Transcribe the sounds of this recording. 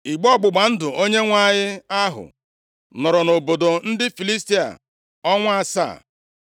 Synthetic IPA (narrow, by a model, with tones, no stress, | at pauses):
i˨ɡ͡bɔ˦ɡ͡bʊ˨ɡ͡ba˨n̩˦dʊ˨o˦ɲe˦ŋʷa˦˨ɲɪ˦a˦ɦʊ̰˨ | nɔ˨ɾɔ˨no˨bo˨do˨n̩˦dɪ˦fi˨li˦sti˦a̰˨ | ɔ˦ŋʷa˦sa̰ː˦˨